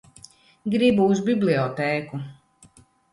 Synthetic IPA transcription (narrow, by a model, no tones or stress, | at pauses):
ɡɾibuːzbibliɔt̪ɛːku